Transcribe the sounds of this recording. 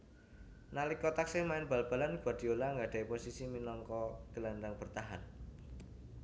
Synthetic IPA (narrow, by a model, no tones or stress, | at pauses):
nalikɔt̪aksɪhmaɪnb̥a̤lb̥a̤lanɡ̥uad̪̥i̤olaŋɡaɖ̥a̤iposisiminɔŋkɔɡ̥ə̤landaŋb̥ərt̪aɦan